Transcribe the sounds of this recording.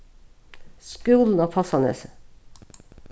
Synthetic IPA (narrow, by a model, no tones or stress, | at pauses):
skʉːln̩ɑfʰɑsɑnə̰s